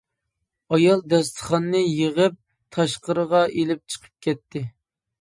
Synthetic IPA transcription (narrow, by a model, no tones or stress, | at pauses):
ɑjɑlˠd̪ɛst̪ʰə̥χɑnːɨjəʁəp̚ | t̪ʰɑʃqəɾəʁɑʔelɪp̚t͡ʃʰə̥qʰə̥p̚kʲɛt̪ʰːɪ